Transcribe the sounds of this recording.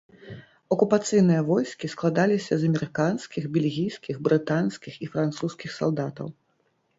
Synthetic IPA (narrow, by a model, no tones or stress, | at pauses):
ɐkupat̪sɨjnɨjɐvɔjskʲisklˠad̪alʲisʲɐzɐmʲɛɾɨkanskʲiɣbʲɛlʲɣʲijskʲiɣbɾɨt̪anskʲixifɾant̪suskʲixsa̰lˠd̪at̪ɐ̰w